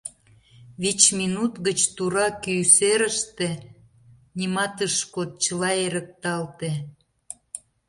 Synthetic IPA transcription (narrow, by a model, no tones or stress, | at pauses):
βit͡ɕminut̪ɣət͡ɕt̪uɾɑkyjseɾəʃt̪e | nʲimɑt̪əʃkot̪̚t͡ɕəlɑeɾək̚t̪ɑlt̪e